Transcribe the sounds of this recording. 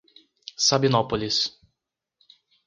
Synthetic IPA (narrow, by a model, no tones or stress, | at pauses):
sabinɔpɔlʲis